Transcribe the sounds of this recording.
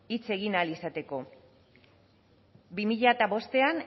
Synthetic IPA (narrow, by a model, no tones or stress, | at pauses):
it͡se̞ɣ̞inalisat̪e̞ko̞ | bimiʎaet̪aβo̞st̪e̞an